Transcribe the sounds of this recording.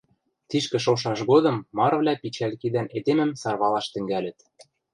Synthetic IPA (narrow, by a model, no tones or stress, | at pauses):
t̪iʃkɘ̆ʃ̬oʃɑʃɣod̪ɤ̆mːɑɾvlʲæpit͡ɕælʲkid̪æned̪emɘ̆msɑrβɑlɑʃt̪ɘ̆ŋɡælʲɘ̆t̪